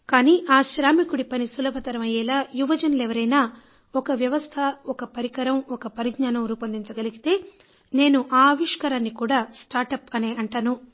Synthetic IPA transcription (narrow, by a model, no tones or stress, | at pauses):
kaːniːʔaːʃɾaːmikuɽipɐnisulɐbʱɐt̪ɐɾɐmɐjɛːlaːjuʋɐd͡ʒɐnlɛʋɐɾɐjnaː | ɔkɐʋjɐʋɐst̪ʰɐɔkɐpɐɾikɐɾɐmɔkɐpɐɾiɡɲaːnɐmɾuːpɐnd̪iɲt͡ʃɐɡɐliɡit̪e̞ː | ne̞ːnuʔaːʋiʂkɐɾaːnːikuːɽaːsʈaːɾʈɐpɐneːʔɐɳʈaːnu